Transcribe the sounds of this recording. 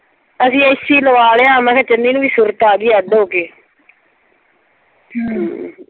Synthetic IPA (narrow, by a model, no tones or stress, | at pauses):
əsĩːəɪsiːləʋaːleːaːmɛ̃ːkɛ̃ːt͡ʃəndiːnũːʋiːsuɾət̪aːɡiːaːd̪oːkeː